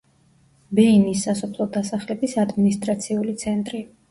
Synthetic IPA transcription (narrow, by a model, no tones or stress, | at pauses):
bɛinisːasɔpʰlˠɔd̪asaχlɛbisad̪minist̪ʼɾat̪sʰiulit̪sʰɛnt̪ʼɾi